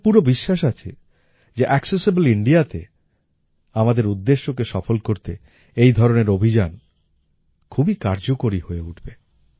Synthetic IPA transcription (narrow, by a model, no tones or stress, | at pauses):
puɾobiʃːaʃ̬at͡ɕʰe | d͡ʑeʔɛksesiboliɳɖiat̪e | amad̪eɾud̪ːeʃːokeʃɔfolkoɾt̪e | ejd̪ʱɔɾoneɾobʱid͡ʑan | kʰubikaɾd͡ʑokoɾihoeuʈʰbe